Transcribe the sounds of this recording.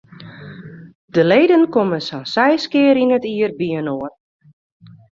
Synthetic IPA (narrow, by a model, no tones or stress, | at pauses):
d̥əleːdənkoməsansɛjskɪːəɾinətiərbiənoən